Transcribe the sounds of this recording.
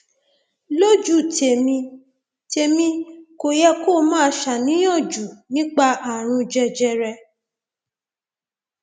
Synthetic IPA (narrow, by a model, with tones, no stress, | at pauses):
lo˦d͡ʒu˨te˨mĩ˧ | te˨mĩ˧ko˨jɛ˧ko˦˨mãː˦ʃa˨nĩ˨˦j̃ɔ̃˦˨d͡ʒu˨nĩ˦k͡pa˧a˨ɾ̃ũ˧d͡ʒɛ˧d͡ʒɛ˧ɾɛ˧